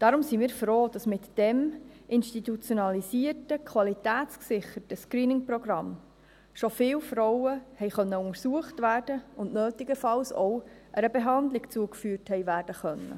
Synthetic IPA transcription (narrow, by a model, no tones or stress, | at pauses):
d̥ɑɾʊmsimiːɾfɾoːd̥ɑsmɪtd̥ɛmʔɪnʃtit̪ut͡sjonɑlisiːərtəkʰʋɑlitæːtt͡sksɪχətəskɾiːnɪŋprɔɡrɑm | ʃofɪːlfɾɔwəhɛɪχœnːəʊŋəɾsuəχtvæːrd̥əʊndnøːtɪɡəfɑlsɔ̰ʊ | ʔəɾəbɛɦɑndlɪkt͡suəkfyːrthɛɪʋæːɾd̥əχœnːə̰